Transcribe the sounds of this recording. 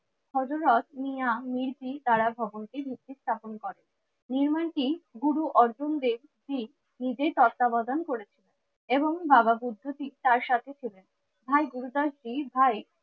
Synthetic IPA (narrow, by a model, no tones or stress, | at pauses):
ʃʰɔd͡ʑoɾɔt̪niamiɾd͡ʑit̪aɾabʱɔbonʈibʱik̚t̪ːist̪ʰaponkɔɾenː | iɾmanʈiɡuɾuʔɔɾd͡ʑond̪eb | d͡ʑi | nid͡ʑet̪ɔt̪ːabad̪ankoɾet͡ɕʰilen | eboŋbababud̪ʱːot̪it̪aɾʃat̪ʰet͡ɕʰilen | bʱajɡuɾud̪aʃd͡ʑibʱaj